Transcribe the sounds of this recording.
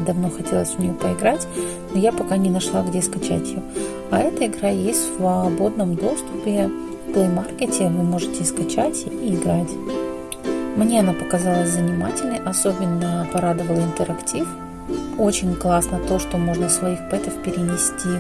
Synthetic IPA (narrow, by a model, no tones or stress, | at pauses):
d̪ɐvno̞xɐtʲe̞lˠəsʲvʊnʲɪjopəɪɡɾatʲ | nojapɐkanʲɪnɐʂlˠaɡdʲe̞skɐt͡ɕa̰tʲɪjo | ɐɛt̪əɪɡɾajesʲtʲsvɐbo̞d̪nəmd̪o̞st̪ʊpʲɪ | plˠejmarkʲɪtʲɪvɨmo̞ʐɨtʲɪskɐt͡ɕatʲiːɡɾatʲ | mnʲe̞ɐnapəkɐzalˠəsʲzənʲɪmatʲɪlʲnəʔɐso̞bʲɪnːəpɐɾad̪ɨvəlˠɪnt̪əɾɐktʲif | o̞t͡ɕɪnʲklˠasnət̪o̞ʂt̪o̞mo̞ʐnəsvɐixpɛt̪əfpʲɪɾʲɪnʲɪsʲtʲi